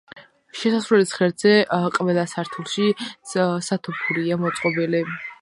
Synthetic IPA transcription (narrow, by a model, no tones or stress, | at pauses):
ʃɛsasɾwɛlisχɛɾd̪z̥ɛqʼvɛlˠasaɾt̪ʰulˠʃi | sat̪ʰɔpʰuɾiamɔt̪sʼqʼɔbili